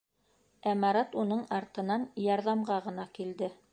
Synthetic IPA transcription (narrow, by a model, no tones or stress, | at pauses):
æmɑɾɑt̪unɤɴɑɾt̪ɤ̆nɑnjɑɾðɑmɢɑʁɤ̆nɑkild̪ɘ